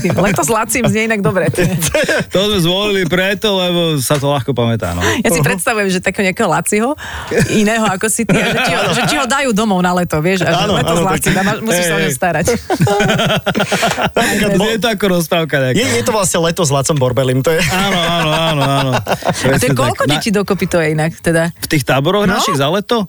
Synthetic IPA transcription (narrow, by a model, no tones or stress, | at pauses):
t̪imlɛt̪ɔzlat͡simzɲɛinaɡd̪ɔbɾɛt̪t̪jɛt̪ɔzmɛzʋɔlilipɾɛt̪ɔlɛbɔsat̪ɔlaxkɔpamɛt̪a̰ːnɔ̰jasipɾɛt̪st̪aʋujɛmʒɛt̪akɛːɦɔɲɛakɛɦɔlat͡siɦɔ | inɛːɦɔakɔsit̪ʒɛiɦɔʒɛtiɦɔd̪ajuːd̪ɔmɔʊnalɛt̪ɔʋɪɛʃalɛɔzlat͡simamamusisaɔɲɛst̪aːɾac | napɾikad̪ɛɛt̪̬ɔakɔɾɔs̬pɾaːʊkaɲɛkjɛjɛt̪ɔʋlasɲɛlɛt̪ɔzlat̪t͡sɔmbɔɾbɛlimt̪ɔjɛanɔaːnɔanɔanɔpɾɛat̪ɔɛɛkɔlkɔd̪ɛciːd̪ɔkɔpit̪ɔjɛinakt̪ɛd̪aft̪iːxt̪aːbɔɾɔɣnaʃiɣzalɛt̪ɔ